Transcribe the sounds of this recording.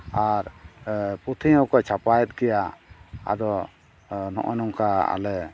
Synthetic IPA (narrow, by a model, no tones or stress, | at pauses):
aɾ | put̪ʰiɔkɔt͡ʃʰapajɛt̪̚ɡɛjaa̰d̪ɔ | nɔ̰ʔɔnɔŋkaa̰lɛ